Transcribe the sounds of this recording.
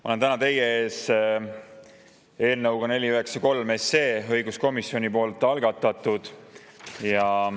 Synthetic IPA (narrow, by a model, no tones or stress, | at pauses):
mɑole̞nt̪ænɑt̪e̞jːeeːs | e̞ːlnɤwɡ̥ɑne̞lʲiyɦe̞ksɑko̞lme̞sːe̞ːɤ̞jɡusko̞misːio̞nʲipo̞ːlt̪ːˑɑlɡ̥ɑt̪ːˑɑt̪ːˑud̪̥ | jɑ